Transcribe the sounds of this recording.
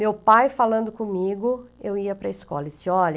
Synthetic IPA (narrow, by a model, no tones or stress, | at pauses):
mewpajfalɐ̃nd̪ʊkõmiɡʊewiɐpɾɐɪskɔ̰lɐsɪɔʎɐ